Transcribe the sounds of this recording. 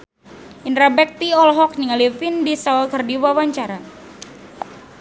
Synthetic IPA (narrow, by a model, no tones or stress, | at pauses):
ʔinɾabɛk̚t̪iɔlɦɔk̚niŋalifindisakərdiwawaɲt͡ʃaɾa